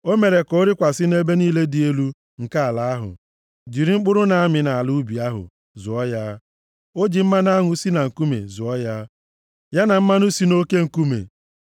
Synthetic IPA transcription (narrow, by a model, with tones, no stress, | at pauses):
o˦me˨ɾe˨ko˦ɾɪ˦kʷa˨sɪ˦ne˦be˦niː˦le˦di˨e˦lu˦ | ŋ̩˨ka˦a˨la˨a˦ɦʊ̰˨ | d͡ʒi˨ɾi˦ŋ͡m̩˦k͡pʊ˦ɾʊ˦na˨a˦mɪ˨na˨a˨lu˦bi˨a˦ɦʊ̰˨ | zʊ˨ɔ˦ja˦ | o˦d͡ʒi˨m̩˦ma˦n˦a˦ŋʊ˦si˦na˨ŋ̩˨ku˦mḛ˨zʊ˨ɔ˦ja˦ | ja˦na˨m̩˦ma˦nu˦si˦no˦ke˦ŋ̩˨ku˦mḛ˨